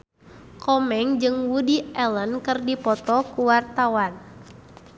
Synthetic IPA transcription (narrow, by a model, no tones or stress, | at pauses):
kɔmɛŋd͡ʒɨŋwudiɛlənkɨrdipɔt̪ɔkuwart̪awan